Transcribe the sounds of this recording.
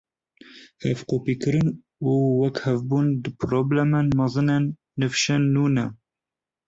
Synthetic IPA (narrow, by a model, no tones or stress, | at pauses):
hɛvqoːpiːkɨɾɨn | uːwɛkhɛvbuːnd̪ɨpʰɾoblɛmenmɑzɨnenː | ɨfʃɛnːuːnɛ